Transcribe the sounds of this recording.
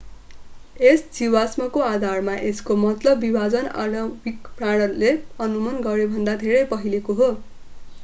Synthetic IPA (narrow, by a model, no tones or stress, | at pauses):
esd͡ziwasmʌkoad̪ʱarmaʔeskomʌt̪lʌbːibʱad͡zʌna̰lʌbʱikpraɽ̃ʌleʌnumʌnɡʌɾebʱʌnd̪ad̪ʱeɾʌjpʌɦilekoɦo